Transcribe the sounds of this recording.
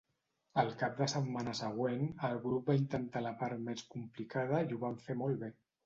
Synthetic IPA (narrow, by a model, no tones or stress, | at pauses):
əlˠkap̚d̪əsət̪manəsəɣ̞wenəlˠɣɾup̚baint̪ənt̪aləpaɾmeskumplikað̞əiuβaɱfemɔlˠβe